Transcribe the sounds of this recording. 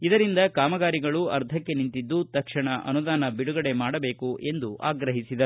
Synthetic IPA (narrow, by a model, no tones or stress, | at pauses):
id̪ɐɾind̪ɐkaːmɐɡaːɾiɡɐɭuɐ̰ɾt̪ʰɐkːe̞nint̪id̪ːut̪ɐkʂɐɳɐʔɐ̰nud̪aːnɐbiɽuɡɐɽe̞maːɽɐbe̞ːkuʔe̞nd̪uʔa̰ːɡɾɐɦisid̪ɐu